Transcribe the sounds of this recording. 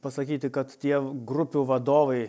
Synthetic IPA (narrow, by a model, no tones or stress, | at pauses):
pɐsɐkʲiːt̪ʲɪkɐt̪t̪ʲiɛɡɾʊpʲuːʋɐd̪oːʋɐɪ